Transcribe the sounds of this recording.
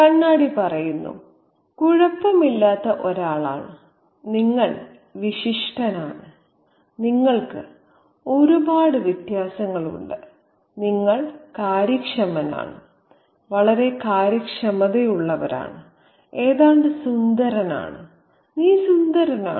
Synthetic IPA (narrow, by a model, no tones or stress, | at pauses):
kɐɳːaːɽipɐrɐjunːṵ | kuɻɐpːɐmilːaːt̪ːɐʔoɾaːɭa̰ːɳɨ | niŋːɐɭ | ʋiɕiʂʈɐnaːɳɨ | niŋːɐɭkɨ̰ | o̞ɾubaːɽɨʋit̪jaːsɐŋːɐɭṵɳɖɨ | niŋːɐɭkaːɾɐkʂɐmɐna̰ːɳɨ̰ | ʋɐɭɐɾe̞kaːɾjɐkʂɐmɐðejuɭːɐʋɐ̰ɾa̰ːɳɨ | e̞ːðaːɳɖɨsund̪ɐɾɐna̰ːɳɨ | niːsund̪ɐɾɐna̰ː